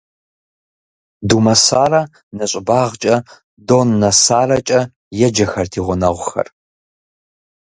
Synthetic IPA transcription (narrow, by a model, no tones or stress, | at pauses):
dumɐsaːrɐ | nɐɕʼɪbaːʁt͡ʃʼɐ | doːnːɐsaːrɐt͡ʃʼɐ | jɛd͡ʒɐxɐrtʰiːʁʷʊnɐʁʷʊxɐ̰r